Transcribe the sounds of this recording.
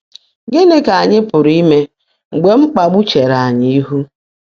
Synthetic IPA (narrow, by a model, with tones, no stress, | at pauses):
ɡɪ˦ne˦ka˨ɲɪ˦pʊ˨ɾi˦me˦ | ŋ͡m̩˨ɡ͡be˨ŋ͡m̩˦k͡pa˨ɡ͡bu˦t͡ʃe˨ɾa˨a˨ɲi˦i˦ɦu˦